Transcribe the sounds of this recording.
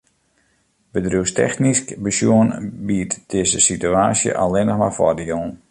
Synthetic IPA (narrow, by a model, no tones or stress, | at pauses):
bədruwstʰɛ̰xniskbəsjuənbiətd̥ɪzəsityaːsjə̰ʔalɪnəxma̰rfɔ̰diolˠn